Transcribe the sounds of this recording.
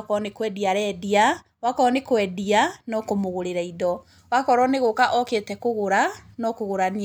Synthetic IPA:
kɔnekwɛdiaɾɛdia | wakɔnekwɛdianɔkomoɣoɾeɾaidɔ | wakɔɾɔneɣokaʔɔketɛkoɣoɾanɔkoɣoɾani

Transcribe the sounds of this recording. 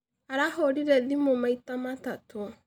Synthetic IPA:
aɾahoɾiɾɛðimomaitamatatʰo

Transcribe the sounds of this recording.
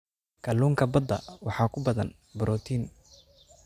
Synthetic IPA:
kʰɐluːŋkʰɐbɐd̪ɐ̰wɑħɑːkʰʊbɐðɐ̰n | bɔɾʔɔːt̪ʰiːn

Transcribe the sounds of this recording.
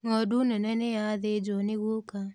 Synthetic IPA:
ŋɔdunɛnɛnejaðed͡ʒɔneɣoka

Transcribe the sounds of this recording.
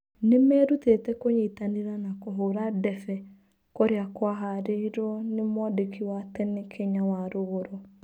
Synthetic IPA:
nemɛːɾutetɛkoɲetaneɾanakoɦoːɾadɛfɛ | koɾeakwaɦaɾeiɾɔnemwɔdekʰiwatɛnekʰɛɲawaɾoɣoɾo

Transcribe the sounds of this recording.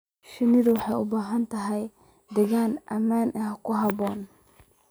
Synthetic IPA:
ʃɪnɪðʊwɑħɑjʊbaːɦɐnt̪ʰɐɦɛj | d̪ɛɣaːnʔɐmaːnʔɛɦɐkʊɦɐbɔːn

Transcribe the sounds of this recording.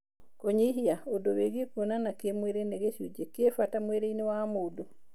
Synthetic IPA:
koɲiɦiaodoβeɡikonanakemweɾeneɡeʃud͡ʒekefatamweɾeinewamodo

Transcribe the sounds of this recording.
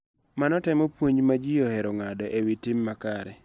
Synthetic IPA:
manɔtɛmɔpwoɲmad͡ʒɪjɔhɛɾɔŋadɔʔewitɪmːakaɾɛ

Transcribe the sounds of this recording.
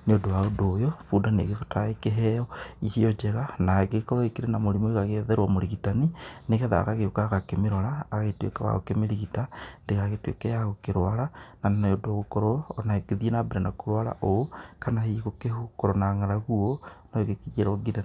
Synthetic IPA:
neodoaodojofudanḛɣefotaekeɦeoihiod͡ʒeɣanaeɡekoβaikiɾenamoɾimoiɣaɣeðeɾwamoɾiɣitanineɣeða̰ːɣaɣeokaɣakemiɾolaːɣaɣetwḛkaβa̰ɣokemeɾiɣitandeɣaɣetwḛkejaɣokeɾwalanannodoɣokoɾoːnaeɡeðienabeɾenakoɾwala̰ʔokanahiɣokehukoɾonaŋaɾaɣuonoeɣekijeɾoɡiɾa

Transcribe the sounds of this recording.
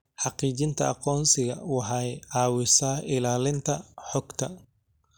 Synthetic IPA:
ħɑqiːt͡ʃɪnt̪ʰɐɑqɔːnsɪɣɐ̰wɑħɑjʕɑːwɪsaːʔɪlaːlɪnt̪ʰɐħɔɡt̪ʰɐ

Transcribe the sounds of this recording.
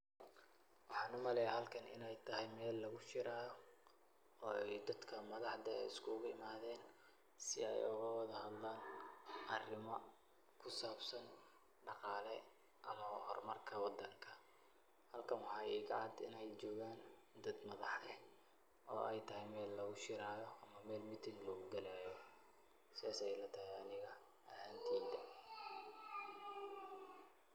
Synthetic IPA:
wɑħɑːnʊmɐlɛjahɐlkʰɐnɪ̰nɛjt̪ʰɐɦɛjmɛːlːɐɣʊt͡ʃɪɾaː | ɔːɛjd̪ɐd̪kʰɐmɐðɑħd̪ɐɛ̰jɪskʰʊɣʊɪmaːðɛːn | sɪɛ̰jʊɣɐwɑðɐhɐd̪laːnʔɐrɪmɐ | kʰʊsaːbsɐn | ɖɑqɑːlɛ | ʔɐmɐhɔrmɐrkʰɐwɑd̪ɐŋkʰɐ | hɐlkʰɐmʊħɑiːɡʕɑd̪ɪnɛjt͡ʃɔːɣaːn | d̪ɐd̪mɐðɑħɛ | ɔ̰ːʔɛjt̪ʰɐhɛjmɛːlːɐɣʊʃɪɾaːjɔɐmɐmɛːlmɪt̪ʰɪllɔɣʊɡɐlaːjɔ | sɪðaːsɛjlɐt̪ʰɐhɛɐnɪɣɐ | ɐhaːnt̪ʰiːd̪ɐ

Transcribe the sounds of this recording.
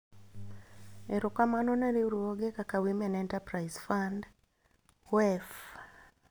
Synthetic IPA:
eɾukamanɔneɾeuɾuoɡekakawimɛnɛntapɾaizfand | wɛf

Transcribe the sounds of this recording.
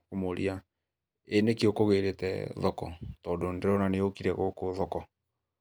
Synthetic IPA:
komoɾʔḭa | enekeokoɣeɾetɛ̰ðɔkɔ̰tɔːdondeɾɔnaneokiɾɛɣokoðɔkɔ

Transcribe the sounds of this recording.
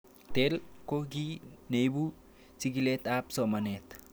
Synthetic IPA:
t̪elkoɡinejbu | siɡilet̪apsomanet̪

